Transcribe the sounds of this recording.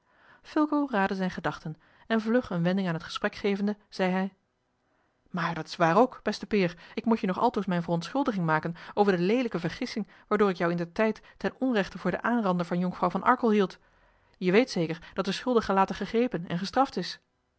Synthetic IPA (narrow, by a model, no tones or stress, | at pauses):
fɪlˠkowraːdəzɛjnχədɑχtən | ɛnvlɵχənʋɛndɪŋaːnɦətχə̥sprɛkχejvəndəz̥ɛjɦɛj | maːɹdɑtɪ̥sʋaːrowkb̥ɛstəpɪːɹɪkmutjənɔχɑ̰lˠtowsmɛjnvərɔntsχɵlˠdəχɪŋmaːkənowvəɹdəlejdələkəvəɹχɪsɪŋ | ʋaːɹdʊːɾɪkjɔwɪndəɹtɛjtːɛnɔnrɛχtəvʊːɹdə̰ʔaːnrɑndəɹvɑnjɔŋfrɑwvɑnʔɑ̰ɹkəlˠɦilˠt | jəʋejtsejkəɹd̥ɑt̚dəsχɵlˠdəχəlaːtəχəχrejpənɛ̰nχəstrɑftɪs